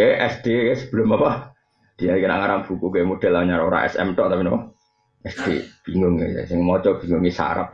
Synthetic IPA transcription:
kɛʔɛsd̪̥ekɛsə̥b̥ə̤lʊmapa | d̪̥ialikəna̰ʔŋaɾaŋb̥ukukumod̥ɛlaɲaɾaoɾa̰ʔɛ̰sɛ̰mt̪ɔʔt̪apino | ɛsd̥eb̥iŋʊŋḛsɪŋmɔt͡ʃɔb̥iŋʊŋisa̰ɾa̰p̚

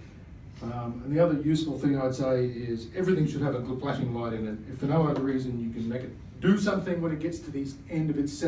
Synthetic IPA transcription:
ʌ̃mə̃nðiʌðə˞jʉsfl̩ˠθɪ̃ŋaɪd̥seɪɪzɛvɹiθɪ̃ŋʃɨd̚ɨvəɡʊd̚fʰl̥æʃɪ̃ŋlaɪɾɨ̃nɨtɨfə˞noʊʌðə˞ɹizɨ̃njɨkɨ̃nmeɪkɨt̚ | d̥ɨsʌ̃mθɪ̃ŋwə̃ɾ̃nɨt̚ɡ̥ɛtstʰɨðiz | ɛ̃ndʌvɨtsɛ

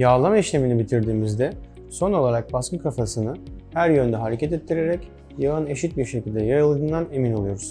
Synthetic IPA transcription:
jaːlˠamiʃlʲe̞minibit̪ʰiɾd̪iːmizd̪ɛ | so̞no̞lˠaɾak̚baskɯkʰafasɯnɯhæɾjø̞nd̪ɛɦaɾe̞cʰɛt̪ɛt̪ʰːiɾeɾɛc | javane̞ʃit̪̚biɾʃecʰilʲd̪ɛjaɾɯlˠd̪ɯːnd̪ane̞mino̞lˠujo̞ɾuz̥

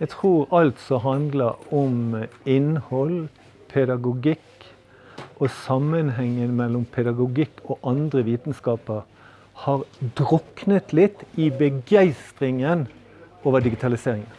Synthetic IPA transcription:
jæɡt̪ʰʁuːʁɑlt̪sɔɦɑnd̪ləɾɔmɪnhɔl | pʰɛd̪ɑɡʊɡɪk | ʔosɑmːənɦɛŋːəmɛlːɔmpʰɛd̪ɑɡʊɡɪkːʰoːʔɑnd̪ʁəʋiːt̪n̩skɑːpəʁ | hɑːʁd̪ɾɔknət̪lɪt̪ːɪbəɡæɪst̪ʁɪŋən | oːʋəɖɪɡɪt̪ʰɑlɪseːʁɪŋən

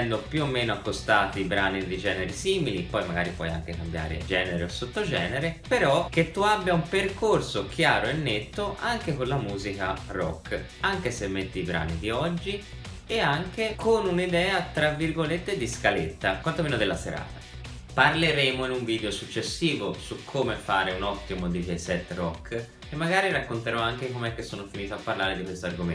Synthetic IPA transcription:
ɛnd̪opjuomːeːnoakːost̪aːt̪ibɾaːnid̪id͡ʒɛːneɾisiːmilipɔjmaɡa̰ːɾipɔ̰ja̰ŋk̟ekambja̰ːɾḛd͡ʒɛːneɾeosːot̪ːod͡ʒɛ̰ːneɾepeɾɔk̟et̪ːuabːjaumperkorsok̟ʰjaːɾoenːet̪ːoʔaŋkekonlamuːzikarɔ̰kː | aŋkesemːet̪ːiːbɾa̰ːnḭd̪iɔd͡ʒːi | eaŋk̟ekʰonunid̪ɛːat̪ɾavːirɡolet̪ːed̪iskalet̪ːakwant̪omeːnod̪elːaseɾa̰ːt̪ḁ | parleɾeːmoinuɱviːd̪eosut͡ʃːesːiːvosukʰːomefaːɾeunɔt̪ːimod̪ikesɛt̪ːrɔkː | emːaɡaːɾirakːont̪eɾɔaŋkekomeɛkːesːoːnofiniːt̪oapːarlaːɾed̪ikwest̪oarɡomḛ

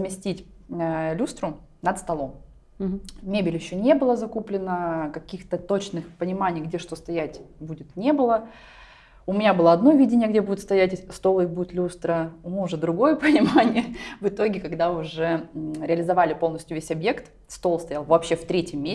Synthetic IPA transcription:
zmʲɪsʲtʲitʲ | lʲust̪ɾʊ | nət̪st̪ɐlˠo̞m | mʲebʲɪlʲjɪɕːonʲe̞bɨlˠəzɐkuplʲɪnəkɐkʲixt̪ət̪o̞t͡ɕnɨxpənʲɪmanʲɪjɡdʲe̞ʂt̪o̞st̪ɐjætʲbudʲɪt̪nʲe̞bɨlˠə | ʊmʲɪnʲabɨlˠəɐd̪no̞vʲidʲɪnʲɪjəɡdʲebudʲɪt̪st̪ɐjætʲst̪o̞lˠɨbudʲɪt̪lʲust̪ɾəmuʊʐɛd̪ɾʊɡo̞jəpənʲɪmanʲɪjəvɨt̪o̞ɡʲɪkɐɡd̪aʊʐɛɾʲɪɐlʲɪzɐvalʲɪpolˠnəsʲtʲjʊvʲesʲɐbje̞kt̪ | st̪o̞lˠst̪ɐjalˠvɐpɕːeft̪ɾʲetʲɪmʲːe

